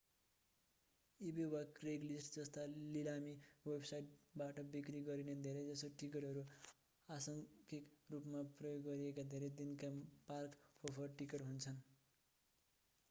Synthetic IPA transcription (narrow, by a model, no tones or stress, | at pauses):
ibiwakreɡlisʈd͡zʌst̪alilamiwebsajʈ̚baʈʌbikɾiɡʌɾined̪ʱeɾed͡zʌsoʈikeʈʌɾu | asʌŋkikrupmaprʌjoɡːʌɾiekad̪ʱeɾed̪inkaparkopʰʌʈikeʈɦunt͡sʰʌn